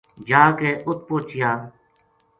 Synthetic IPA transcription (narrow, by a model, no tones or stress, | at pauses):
d͡ʒaːkeːʔʊt̪̚poːt͡ʃɪjaː